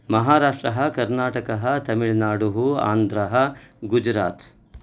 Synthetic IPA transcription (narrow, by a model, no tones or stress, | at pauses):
mɐɦaːɾaːʂʈɾɐɦɐ̆kɐɾnaːʈɐkɐɦɐt̪ɐmiɭnaːɽuɦua̰ːnd̪ɾɐɦɐ̆ɡud͡ʒɾaːt̪